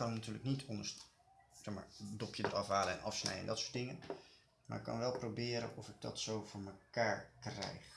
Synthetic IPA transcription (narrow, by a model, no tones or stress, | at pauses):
kɑnəmnatyːɹləknitʰɔndəɹs | sɛχma̰ːɹdɔpjədərɑfɦaːləɛnʔɑfsnɛ̰jəɛ̰ndɑtsʊːɹt̚dɪŋən | maːɹɪkːɑ̰nʋɛlˠprowbɪːɾə̰nɔfɪɡ̚dɑ̰tsowvʊːɹməkaːɹkrɛ̰jχ